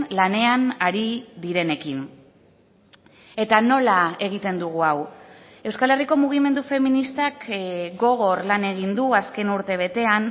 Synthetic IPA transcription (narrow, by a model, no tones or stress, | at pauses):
lane̞anaɾiðiɾe̞ne̞kin | e̞t̪ano̞lae̞ɣ̞it̪e̞nd̪uɣ̞uaw | e̞wskale̞riko̞muɣ̞ime̞nd̪ufe̞minist̪akɡo̞ɣ̞o̞rlane̞ɣ̞ind̪uaske̞nuɾt̪e̞β̞e̞t̪e̞an